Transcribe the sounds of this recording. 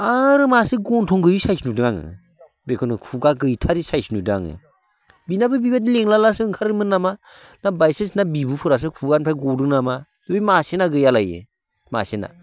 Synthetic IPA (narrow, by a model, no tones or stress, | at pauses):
aɾɯmasiɡɔntʰɔŋɡɯjisajsnudɯŋaŋɯ̰ | bekʰɔnɯkʰuɡaɡɯjtʰaɾisajsnudɯaŋɯ̰ | binabɯbibadileŋlalasɯːŋkʰaɾɯmɯnːama | nabajsesnabibupʰɯɾas̬ɯkʰuɡanpʰajɡɔdɯnama | dɯbimasenaɡɯjalajɯ̰ | ma̰sena̰